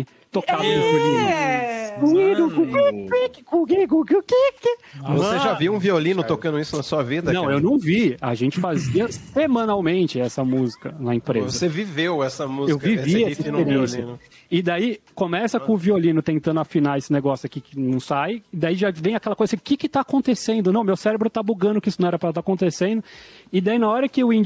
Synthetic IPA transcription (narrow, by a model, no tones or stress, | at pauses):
t̪okavɐusuvi | ũiuũkiikɪkũɡiɡuɡʊkikɪvoseʒaviũviolĩnʊt̪okɐ̃dʊisʊnɐsuɐvid̪ɐnɐ̃ewnɐ̃w̃via̰ʒẽnt͡ʃɪfaziɐsemɐ̃nawmẽnt͡ʃɪɛsɐmuzikɐnɐẽpɾezoɐsevivewɛsɐmuzewviviɛsɐ̃seɾẽsɐn | ɪd̪aikõmɛsɐkõʊviolĩnʊt̪ẽnt̪ɐ̃nd̪afinaesɪneɡɔsjʊakikɪnɐ̃w̃sajɪd̪aiʒavẽj̃akɛlɐkojzɐʊkɪkɪt̪aːkõnt̪esẽnd̪ʊnɐ̃w̃mewsɛɾebɾʊt̪abuɡɐ̃nd̪ʊkɪisʊnɐ̃ɛɾɐpɾɐt̪akõnt̪esẽnd̪ʊɪd̪ainaɔɾɐkɪʊĩnd͡ʒ